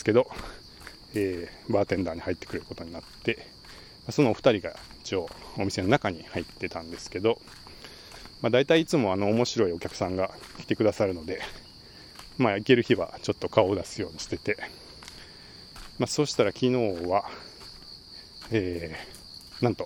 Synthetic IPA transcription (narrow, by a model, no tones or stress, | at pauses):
ske̞d̪o̞ | eːbaːt̪ẽ̞nd̪aːɲ̟ihait̪ːekɯ̟ɾeɾɯ̟ko̞t̪o̞ɲ̟inat̪ːe̞ | maso̞noɸɯ̥t̪aɾʲiɡa̰i̥t͡ɕio̞ːomʲise̞no̞nakaɲ̟ihait̪ːe̞t̪ãnd̪e̞sɨ̥ke̞d̪o̞ | mad̪ait̪aiːt͡sɨmo̞ano̞ːmo̞ɕiɾo̞io̞kʲakɯ̟̥sãŋɡa | kʲi̥t̪e̞kɯ̟d̪asaɾɯ̟no̞d̪e̞ | maike̞ɾɯ̟çiβa̰t͡ɕo̞t̪ːo̞kao̞ːd̪asɨjo̞ːɲ̟iɕi̥t̪e̞t̪e̞ | maso̞ːɕi̥t̪aɾakʲino̞ːβa | eː | nãnt̪o̞